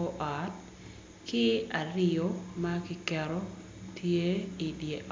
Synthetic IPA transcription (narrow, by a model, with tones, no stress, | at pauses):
ɔ˦ʔa˨t̚ | kɪ˦a˨rɪ˦jo˦ma˦kɪ˦kɛɾɔ˦ | tʰje˦i˨bje˨ʔ